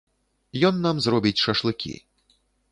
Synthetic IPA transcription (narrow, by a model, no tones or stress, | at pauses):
jɔnːamzrɔbʲit͡sʲʂɐʂlˠɨkʲḭ